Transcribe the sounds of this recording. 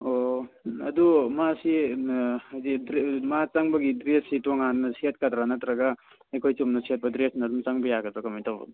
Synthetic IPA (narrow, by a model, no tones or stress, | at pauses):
oɐdumasi | ajdidɾmat͡ʃaŋbɐɡidɾessitoŋanːɐsiat̚katɾanɐtɾaɡa | ekʰojt͡ʃumnɐsiat̚bɐdɾesʰnɐdumt͡ʃaŋbɐjaɡɐtɔkamajtawa̰d